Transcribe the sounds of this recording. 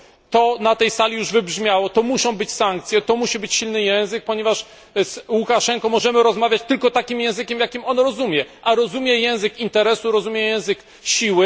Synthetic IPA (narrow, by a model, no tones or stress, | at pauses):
t̪ɔnat̪ɛjsalʲijuʐvɘbʐmʲjawɔt̪ɔmuɕɔ̃w̃bɘt͡ɕsaŋkt̪sʲjɛt̪ɔmuɕibɘt͡ɕɕilnɘjɛ̃w̃zɘk̚pɔɲɛvaʂ | swukaʂɛŋkɔmɔʐɛmɘɾɔzmavʲjat͡ɕt̪ɘlkɔt̪akʲimjɛ̃w̃zɘkʲɛmjakʲimɔnɾɔzumʲjɛʔaɾɔzumʲjɛjɛ̃w̃zɘkint̪ɛɾɛsuɾɔzumʲjɛjɛ̃w̃zɘk | ɕiwɘ